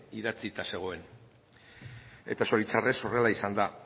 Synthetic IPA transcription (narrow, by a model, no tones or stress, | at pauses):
iðat͡sit̪ase̞ɣ̞o̞e̞n | e̞̰t̪aso̞ɾit͡sare̞so̞re̞laisand̪a